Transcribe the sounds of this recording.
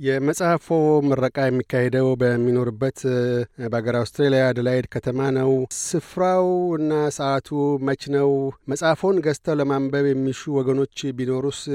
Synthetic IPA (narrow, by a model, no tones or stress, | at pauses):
jɛməsʼahfoməɾːəkʼajɛmːikːahed̪əwbəmːino̞ɾɨbːət̪bəaɡəɾawst̪ɾelijad̪əlajed̪kʰət̪ʰəmanəwsɨfɾawɨnːasəʔat̪ʰumət͡ʃnəwməsʼahfo̞nɡəst̪ʰəwləmambəβjɛmːiʃuwɔɡəno̞t͡ʃːbino̞ɾus